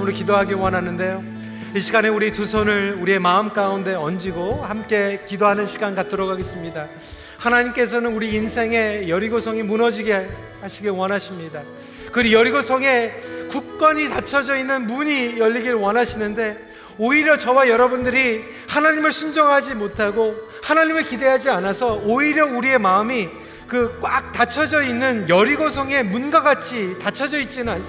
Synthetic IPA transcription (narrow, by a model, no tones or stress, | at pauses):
muɾokidoɦaɡewʌnɦanːɯnde̞jo | iɕʰiɡaneuɾitusʰʌnɯɭuɾie̞maɯmk͈aunde̞ʌnd͡ʑiɡohamk͈e̞kidoɦanɯnɕʰiɡankatʰɯɾʌɡaɡe̞s͈ɯmɲida | hanaɲimk͈e̞s̬ʰʌnɯnuɾiːnsʰe̞ŋe̞jʌɾiɡosʰʌŋimunʌd͡ʑiɡe | haɕʰiɡewʌnaɕʰimɲida | kɯɾijʌɾiɡosʰʌŋe̞kuk̚k͈ʌɲitat͡ɕʰʌd͡ʑʌinːɯnmuɲijʌʎːiɡiɾɭwʌnɦaɕʰinɯnde̞ | oiɾjʌt͡ɕʌwajʌɾʌbundɯɾi | hanaɲimɯɭsʰund͡ʑʌŋɦad͡ʑimotʰaɡo | hanaɲimɯɭkide̞ɦad͡ʑianasʰʌoiɾjʌuɾie̞maɯmi | kɯk͈wak̚t͈at͡ɕʰʌd͡ʑʌinːɯnjʌɾiɡos̬ʰʌŋe̞munɡaɡat͡ɕʰitat͡ɕʰʌd͡ʑʌit̚t͡ɕ͈inɯnans